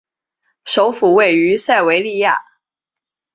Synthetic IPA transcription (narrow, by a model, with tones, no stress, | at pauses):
ʂo˧˥ʊfu˨˩we˥˩ɪy˧˥sa˥˩ɪwe˧˥ɪli˥˧ja̰˥˩